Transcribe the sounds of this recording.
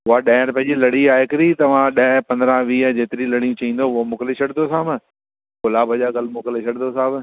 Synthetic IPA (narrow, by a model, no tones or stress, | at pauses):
ʊɦaɗɛ̃ːɾpɐ̃ɦɲd͡ʑilɐɽ̤iaːɪkɪɾit̪ɐʋ̤ãɗɐɦpɐ̃nd̪ɾãʋiːd͡ʑeːt̪ɪɾilɐɽ̤ijũt͡ɕɐĩːnd̪oʊɦomʊkleɕʰɐɽd̪d̪osãːb | kʊlaːbɐʄaːɡɐlmʊkleʃʰɐɽnosaːb